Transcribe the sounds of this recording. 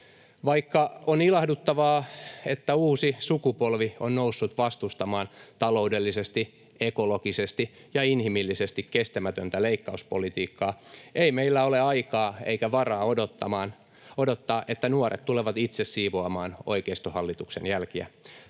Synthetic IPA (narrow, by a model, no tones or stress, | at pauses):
ʋɑikːɑonilɑhdut̪ːɑʋɑːet̪ːæuːsisukupolʋionnousːut̪ʋɑst̪ust̪ɑmɑːnt̪ɑlo̞udelːisest̪i | ekolokisest̪i | jɑinhimilːisest̪ikkest̪æmæt̪ønt̪æleikːɑuspo̰lit̪iːkːɑːeimeilːæoleɑikɑːeikæʋɑrɑːodot̪ːɑmɑːn | odot̪ːɑːʔet̪ːænuorḛt̪t̪uleʋɑt̪it̪sessiːʋoɑmɑːno̰ikeist̪ohɑlːit̪uksḛnjælkiæ̰